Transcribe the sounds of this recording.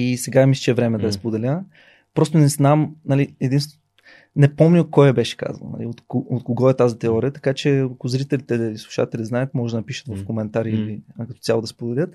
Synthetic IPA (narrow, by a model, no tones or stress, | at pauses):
isɛɡamisʲt͡ʃɛvɾɛmɛd̪ɐɐspod̪ɛlʲə | pɾɔst̪ʊnɛznamnɐliɛd̪inst̪ | nɛpɔmnʲəkɔjɛbɛʃɛ̥ka̰zɐ̰no̰nɐ̰lḭot̪koot̪koɡɔɛt̪azit̪ɛɔɾʲiət̪ɐ̥kat͡ʃɛɐkʊzɾit̪ɛlit̪ɛislˠuʃa̰t̪ɛlʲiznaɛt̪mɔʒɛd̪nɐpiʃə̥t̪vɐfkomɛnt̪aɾiilikɐt̪ɔ̥t̪sʲjalˠod̪ɐspod̪ɛlʲət̪